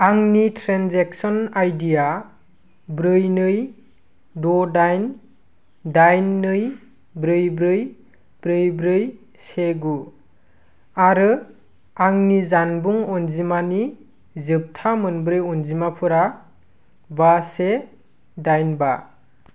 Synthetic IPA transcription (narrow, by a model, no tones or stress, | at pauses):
aŋnitʰɾenzeksɔnajdija | bɾɯjnɯj | dɔdajn | dajnːɯj | bɾɯjbɾɯj | b̥ɾɯjbɾɯj | seɡu | aɾɯ | aŋnizanbuŋɔnzimani | zɯp̚tʰamɯnbɾɯjɔnzimapʰɯɾa | base | dajnba